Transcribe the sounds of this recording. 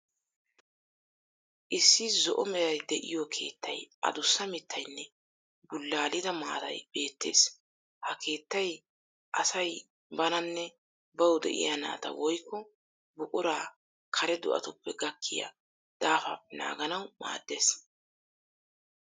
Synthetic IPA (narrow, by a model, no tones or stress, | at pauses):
ʔɪsːɪzɔʔɔmɛɾɐjd̪ɛʔɪ̰jɔkʰe̞ːt̪ːɐjʔɐ̰d̪ʊsːɐmɪt̪ʰːɐjnːɛ | bʊlːaːlɪd̪ɐma̰ːd̪ɐ̰jb̥e̞ːt̪ːe̞̰ːs | hɐke̞ːt̪ːɐj | ʔɐsɐj | bɐnɐnːɛ | bɐwd̪ɛ̰ʔɪ̰jɐna̰ːt̪ɐ̰wɔjkːɔ | bʊkʼʊɾaː | kʰɐɾɛd̪ʊʔɐ̰t̪ʊpːɛɡɐkʰːɪja̰ | d̪̥aːfɐ̰ɛna̰ːɡɐnɐwma̰ːd̪ːe̞ːs